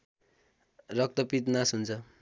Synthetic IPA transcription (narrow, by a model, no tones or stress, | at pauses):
rʌk̚t̪ʌpit̪nasɦunt͡sʰʌ